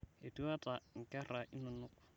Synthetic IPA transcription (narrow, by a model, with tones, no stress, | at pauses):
e˨tu˦a˦tʼa˨ŋ̩˨kʼɛ˦ra˨ʔɪ˦nʊ˨nʊ˦kʊ̥˨